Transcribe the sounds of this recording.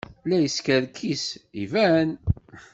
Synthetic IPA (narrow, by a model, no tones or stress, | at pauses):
læjəskæðkʰːisivæn